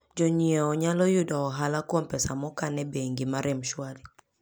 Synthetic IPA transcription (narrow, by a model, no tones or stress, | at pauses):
d͡ʒɔɲiɔːɲalɔjʊdɔːɦalakwompɛsamɔkanɛbeŋɡimaɾɪmʃwali